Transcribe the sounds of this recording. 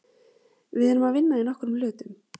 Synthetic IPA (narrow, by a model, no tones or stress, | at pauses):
vɪðɛnʏmaðvɪnːainɔhkʏɾʏmlʏːt̪ʏm